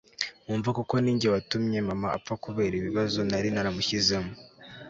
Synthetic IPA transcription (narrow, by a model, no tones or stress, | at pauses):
uːɱvakuko̞niːɲɟewatumɲe̞mamaa̰p̪fakuβeɾiβiβazonaɾinaɾamuçizemu